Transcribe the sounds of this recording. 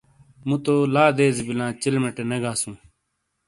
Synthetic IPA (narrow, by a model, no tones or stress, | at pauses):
mũt̪oːlaːd̪eːzibɪlãːt͡ɕɪlmeʈeneɡaːsũː